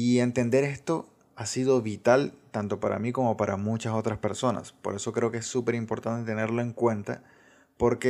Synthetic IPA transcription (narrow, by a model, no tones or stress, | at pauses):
ie̞nt̪e̞nd̪e̞ɾe̞st̪o̞ | asið̞o̞βit̪alt̪ant̪o̞paɾa̰miko̞mo̞paɾʔa̰mut͡ʃaso̞t̪ɾaspe̞ɾso̞na̰spo̞ɾe̞so̞kɾe̞okeesːupe̞ɾimpo̞ɾt̪ant̪e̞t̪e̞ne̞ɾlo̞e̞ŋkwe̞nt̪a̰ | po̞ɾke